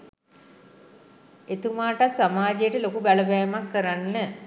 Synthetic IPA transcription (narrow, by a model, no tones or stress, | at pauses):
et̪umaːʈasamaːd͡ʒejəʈəlokubæləbɛːmakːəɾanːə